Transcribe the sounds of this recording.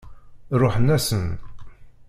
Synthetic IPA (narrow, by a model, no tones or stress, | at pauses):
ɾʊħənæsən